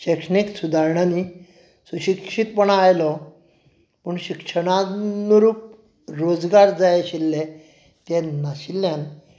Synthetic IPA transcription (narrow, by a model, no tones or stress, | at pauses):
ɕekʂəniksud̪ʱaɾɳani | suɕikʂit̪pəɳajlɔ | pəɳɕikʂəɽ̃anuɾuːp̚ | ɾod͡zɡaɾd͡zajeɕilːe | t̪ɛnaɕilːjan